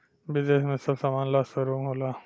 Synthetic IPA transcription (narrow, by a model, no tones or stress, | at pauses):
bɪzeːsmẽsɐbsaːmaːnlaːsɐɾuːmɦoːlaː